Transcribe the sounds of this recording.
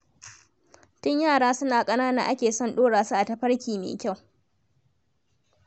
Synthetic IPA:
tʊ˦ɲjaː˦˨ɽaː˦sʊ˦naː˨kʼɐ˦naː˦na˨ʔa˦kʲeː˨sɔ˦˨nɗoː˦ɽaː˨su˦ʔa˨tɐ˦ɸɐ˦ɽkʲiː˨mḛː˨kʲa˦˨w

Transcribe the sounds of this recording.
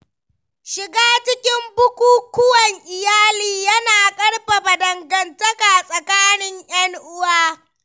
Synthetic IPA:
ʃɪ˨ɡaː˦t͡ʃɪ˦kʲɪ˦mbʊ˦kʷuː˦kʷʊ˦wɐ˨ŋʔɪ˨jaː˦liː˨jɐ˦naː˨kʼɐ˦ɽba˨ba˨dɐ˨ŋɡɐ˨ntɐ˦ka˨sʼɐ˨kaː˦nɪ˦ŋj̰ɐ˦ŋʔʊ˦waː˦

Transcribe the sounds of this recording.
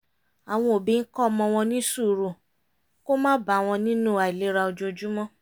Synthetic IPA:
a˨w̃ɔ̃˧o˨bi˨˦n̩˦kɔ˦˧mɔ̃˧w̃ɔ̃˧nĩ˦su˦˨ɾu˨ | ko˦mãː˦ba˨˦˨w̃ɔ̃˧nĩ˦nũ˦˨a˨i˨le˨˦ɾa˧o˧d͡ʒo˧d͡ʒu˦mɔ̃˦

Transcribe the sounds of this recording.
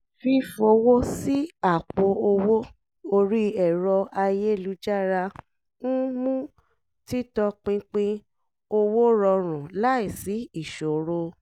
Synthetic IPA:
fi˧fo˨˧˦wo˦si˦a˦˨k͡po˧o˧wo˦ | o˧ɾi˦ɛ˦˨ɾɔ˧a˧je˦˨lu˨˦d͡ʒa˦˨ɾa˧ | nũ˦mũ˦ | ti˦tɔ˧k͡pĩ˧k͡pĩ˧ | o˧wo˦ɾɔ˧ɾ̃ũ˨la˦i˨si˨˦i˦˨ʃo˨ɾo˧

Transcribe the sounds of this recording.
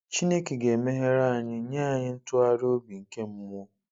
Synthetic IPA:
t͡ʃi˦ne˦ki˨ɡe˨me˦ɦe˦ɾa˦˨a˨ɲɪ˦ɲaː˦˨ɲɪ˦n̩˦tʊ˦a˦ɾo˦bi˨ŋ̩˨ke˦m̩˦mʊ˦

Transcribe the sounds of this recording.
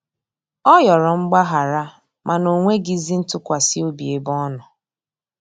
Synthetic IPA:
ɔ˦jɔ˨ɾɔ˨ŋ͡m̩˦ɡ͡ba˦ɦa˨ɾa˦ | mʔa˨no˨ŋʷe˦ɡi˦zi˦n̩˦tʊ˦kʷa˨si˦o˦bi˨e˨bɔ˦nʊ˨

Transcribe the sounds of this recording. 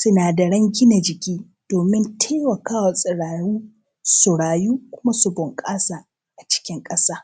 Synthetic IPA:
sʊ˦naː˨da˨ɽɐ˦ŋɡʲɪ˦na˨d͡ʒɪ˨kʲiː˦ | d̥oː˨mɪ˦ntʰeː˦wɐ˨kaː˦wa˨sʼɪ˨ɽaː˨ɽuː˦ | sʊ˨ɽaː˨juː˦kʷʊ˦ma˦su˨bʊ˨ŋkʼaː˦sa˨ | ʔa˨t͡ʃɪ̥˦kʲɪ˦ŋkʼɐ˦saː˦

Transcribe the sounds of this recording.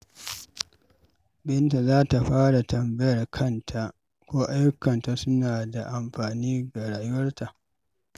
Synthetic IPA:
bɪ˦nta˨zaː˦ta˨ɸaː˦ɽa˨tɐ˨mbɐ˦jɐ˨rkʰɐ˦ntʰa˨ʔ | kʷoː˦ʔa˦jʊ˦kːɐ˨nta˨sʊ˦naː˨da˨ʔa˨mɸaː˨niː˦ɡa˨ɽaː˨jʊ˦wɐ˦rta˨ʔ

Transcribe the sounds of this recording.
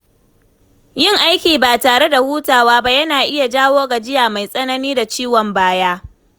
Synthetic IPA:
jɪ˦ŋʔa˦jkʲiː˨ba˨taː˨ɽe˦da˨huː˦taː˨waː˦ba˦jɐ˦naː˨ʔɪ˦ja˨d͡ʒaː˦woː˦ɡa˨d͡ʒɪ˦jaː˨ma˨jsʼɐ˦nɐ˦niː˦da˨t͡ʃiː˦wɔ˨mbaː˦jaː˦

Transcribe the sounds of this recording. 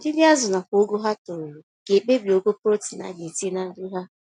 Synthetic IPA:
dɪ˦dɪ˦a˦zʊ˨na˨ko˦ɡo˦ɦa˦tʊ˨ɾʊ˨ɡ̥e˨k͡pe˦bi˨o˦ɡo˦pɾo˦ti˨na̰˨˦ɡe˨ti˦e˦na˦dʊ˦ɦa˦

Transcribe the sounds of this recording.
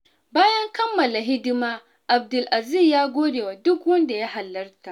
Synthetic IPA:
baː˦jɐ˦ŋkɐ˦mːɐ˨la˨ɦɪ˦dɪ˦maː˦ | ʔa˨b̚dʊ˨lʔa˨zi˦˨jaː˦ɡʷoː˦deː˨wa˨dʊ˦kwɐ˦nda˨ja˦ha˨lːɐ˦rta˨ʔ

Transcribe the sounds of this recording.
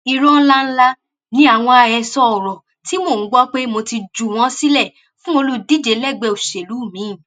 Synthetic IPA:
i˧ɾɔ˦n̩˦la˦n̩˦la˦ | nĩ˨˦a˦˨w̃ɔ̃˧a˧jɛ˧sɔ˦ɔ˨ɾɔ˨ | ti˨˦mõ˦˨˦ɡ͡bɔ˦k͡pe˦mo˧ti˧d͡ʒu˨w̃ɔ̃˦si˦lɛ˦˨ | fũ˦o˧lu˦di˦˨d͡ʒe˨˦lɛ˦˨ɡ͡bɛ˧˨o˨ʃe˨lu˨˦˨mĩ˨˦˨

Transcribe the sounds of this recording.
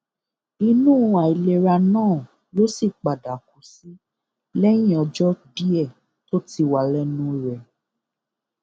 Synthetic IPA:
i˧nũː˦a˨i˨le˧ɾa˧nãː˦˨ | lo˦si˦˨k͡pa˨da˨ku˨˦si˦ | lɛ˦j̃ĩ˦ɔ˧d͡ʒɔ˦bi˦ɛ˦˨ | to˦ti˧wa˨lɛ˦nũ˦ɾɛ˨

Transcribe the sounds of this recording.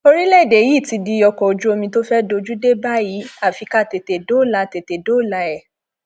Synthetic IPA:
o˧ɾi˦lɛ˦˨de˨ji˦˨ti˧di˧jɔ˧kɔ˨o˨d͡ʒu˦o˧mĩ˧to˦fɛ˦do˧d͡ʒu˦de˦ba˦ji˨˦a˦˨fi˨˧ka˦˨te˨te˨do˨˦˨la˨˧˨te˨te˨do˨˦˨la˧˦ɛ˦˨

